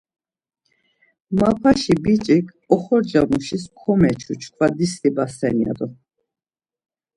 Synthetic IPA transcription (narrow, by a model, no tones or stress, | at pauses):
mapʰaʃibit͡ʃʼikʰ | ɔχɔɾd͡ʒamuʃiskʰɔmɛt͡ʃʰut͡ʃʰkʰwad̪ist̪ibasɛnia̰d̪ɔ